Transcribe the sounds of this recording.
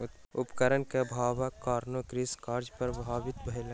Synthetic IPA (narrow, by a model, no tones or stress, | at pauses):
ʊpkəɾənkebʱaːʋakaːɾnokɾiskaːɾd͡ʒpɐɾbʱaːʋɪt̪bʱəɪla